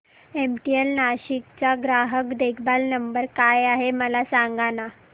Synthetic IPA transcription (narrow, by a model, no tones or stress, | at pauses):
emʈielnaɕikt͡ɕaɡɾaɦəkd̪ekʰbalnəmbəɾkajaɦeməlasaŋɡana